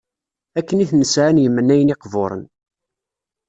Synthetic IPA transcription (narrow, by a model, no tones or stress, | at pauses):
ækːəniθnəsʕanjəmːənːæjənɪqvoɾˤə̰n